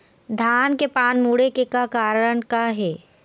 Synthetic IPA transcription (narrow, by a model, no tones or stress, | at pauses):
d̪ʱaːnkepaːnmuːɽekekakaːɾəɽ̃kaɦɛː